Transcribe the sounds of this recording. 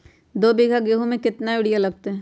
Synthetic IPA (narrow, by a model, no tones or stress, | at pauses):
d̪oːbiːɡʱaɡeɦõmẽkɪt̪naʋɪɽijalɐɡ̚t̪eɦɛ̃ː